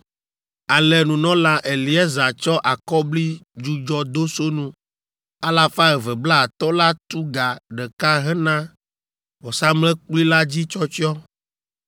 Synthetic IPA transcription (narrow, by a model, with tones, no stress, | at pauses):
a˨lɛ˨nũ˨nɔ̃˦la˦ʔe˨li˨˦ɛ˦za˨t͡ʃɔ˦ʔa˨kɔ˦bli˦d͡ʒu˦d͡ʒɔ˦d̪o˦so˦nũ˦ | a˦la˨fa˦ɛ˨vɛ˨bla˦˨t̪ɔ˦la˦t̪u˦ɡa˨ɖɛ˨ka˦ɦɛ˦nã˦ | wɔ˨sa˦mlɛ̃˦k͡pli˦la˦d͡ʑi˦t͡ʃɔ˦t͡ʃi˦ɔ˦